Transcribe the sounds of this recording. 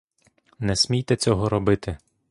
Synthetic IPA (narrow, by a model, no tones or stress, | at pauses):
nɛsʲmʲijt̪ɛt͡sʲɔɦɔɾɔbɪt̪ɪ